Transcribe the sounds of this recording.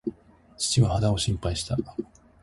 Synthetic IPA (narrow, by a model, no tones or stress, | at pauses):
t͡ɕi̥t͡ɕiβahad̪ao̞ɕĩmpaiɕi̥t̪a